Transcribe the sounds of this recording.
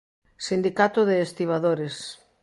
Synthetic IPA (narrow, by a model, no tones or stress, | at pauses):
sind̪ikat̪ʊðeːst̪iβ̞aðoɾes